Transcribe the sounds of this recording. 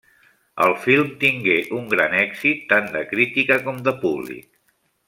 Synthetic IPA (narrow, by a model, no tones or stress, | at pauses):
ə̰lˠfilˠmt̪iŋɡeʔuŋɡɾanɛɡzit̪ːand̪əkɾit̪ikəkɔmd̪əpuβlḭk